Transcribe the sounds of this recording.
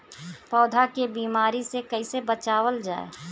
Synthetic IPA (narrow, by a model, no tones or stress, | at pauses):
pɔːd̪ʱakebiːmaːɾisekəɪsebət͡ʃaːwəld͡ʒaːḛː